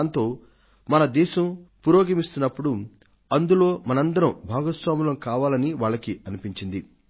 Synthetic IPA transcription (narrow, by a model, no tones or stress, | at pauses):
nt̪o̞ː | mɐnɐd̪ɛːʃɐmpuɾoːɡɐmist̪unːɐpːuɽu | ɐnd̪ulo̞ːmɐnɐnd̪ɐɾɐmbʱaːɡɐsʋaːmulɐmkaːʋaːlɐniʋaːɭːɐkiɐnipiɲt͡ʃind̪i